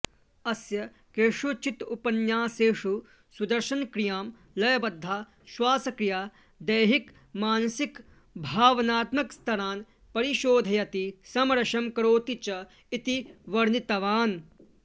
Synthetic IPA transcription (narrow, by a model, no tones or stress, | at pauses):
ɐsjɐ | keːʂut͡ʃit̪upɐnjaːseːʂu | sud̪ɐɾʃɐnkɾijaːm | lɐjɐbɐd̪ʱːaː | ʃwaːsɐkɾijaː | d̪ɐjɦik | maːnɐsik | bʱaːʋɐnaːt̪mɐkst̪ʰɐɾaːn | pɐɾiʃoːd̪ʱɐjɐt̪isɐmɐɾɐʃɐmkɐɾoːt̪it͡ʃɐ | it̪iʋɐɾnit̪ɐʋaːn